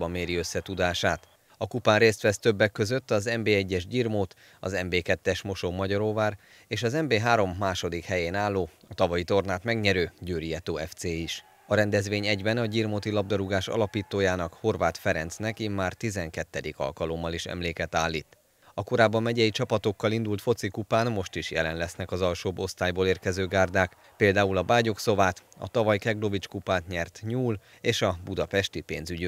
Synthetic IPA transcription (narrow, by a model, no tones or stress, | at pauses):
bɒmːeːɾiø̞sːɛt̪ud̪aːʃaːt̪ | ɒkupaːnreːst̪ʋɛst̪øbːɛkːø̞zø̞t̪ːɒzɛmbeːɛɟːɛʒɟirmoːt̪ | ɒ̰zɛmbeːkɛt̪ːɛʃmo̞ʃoːmɒɟɒɾoːvaːɾ | eːʃɒzɛmbeːɦaːɾo̞mːaːʃo̞d̪ikhɛjeːnaːlːoːɒt̪ɒvɒjit̪o̞rnaːt̪mɛɡɲɛɾøːɟøːɾijɛt̪oːɛft̪seːiʃ | ɒɾɛnd̪ɛzʋeːɲɛɟbɛnɒɟiːrmoːt̪ilɒb̚d̪ɒɾuɡaːʃɒ̰lɒpiːt̪oːjaːnɒkho̞rvaːt̪fɛɾɛnt̪snɛkimːaːrt̪izɛŋkɛt̪ːɛd̪ikɒ̰lkɒlo̞mːɒliʃɛ̰mleːkɛt̪aːlːiːt̪ | ɒko̞ɾaːbːɒmːɛɟɛjit͡ʃɒpɒt̪o̞kːɒlind̪ult̪fo̞t̪sikupaːnmo̞ʃt̪iʃjɛ̰lɛnlɛsnɛkɒzɒlʃoːbo̞st̪aːjboːleːrkɛzøːɡaːrd̪aːk | peːld̪aːulɒbaːɟo̞kso̞vaːt̪ | ɒ̰t̪ɒvɒjkɛɡlo̞vit͡ʃkupaːt̪ɲɛrt̪ɲuːl | eːʃɒbud̪ɒpɛʃt̪ipḛːnzyɟ